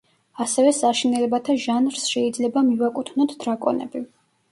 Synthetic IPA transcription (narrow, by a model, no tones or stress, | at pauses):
asɛvɛsaʃinɛlɛbat̪ʰaʒanɾsʃɛid̪zlɛbamivakʼut̪ʰnɔt̪ʰd̪ɾakʼɔ̰nɛ̰bi